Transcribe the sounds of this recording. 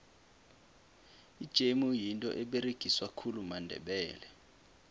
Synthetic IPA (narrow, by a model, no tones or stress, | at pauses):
id̥ʒ̥ʱemujintʼɔ̰ʔɛɓeɾeɡ̥ʱiswakʰulumandʱɛ̰ɓɛːlɛ